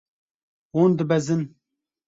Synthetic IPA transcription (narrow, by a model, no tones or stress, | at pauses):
ond̪ɨbɛzɨn